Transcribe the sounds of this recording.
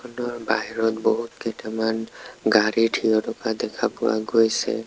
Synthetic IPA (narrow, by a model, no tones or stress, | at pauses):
ɔnɔɹbaɦiɹɔt̪bɔɦut̪keʈamanɡaɾiʈʰijɔtɔkad̪ɛkʰapʊa̰ɡojsɛ̰